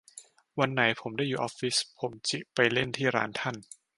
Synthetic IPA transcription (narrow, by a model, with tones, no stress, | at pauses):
wa˧nːa˩˦jpʰo˩˦mdaː˥˩juː˨˩ʔɔː˦˥fi˦˥spʰo˩˦mt͡ɕi˨˩pa˧jle˥˩nt̪ʰiː˥˩ɾa̰ː˦˥nt̪ʰa˥˩n